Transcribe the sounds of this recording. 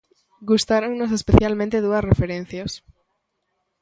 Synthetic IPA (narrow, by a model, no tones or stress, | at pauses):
ɡust̪aɾoŋnosespeθjalmẽnt̪eðuɐsrefeɾẽn̟θjos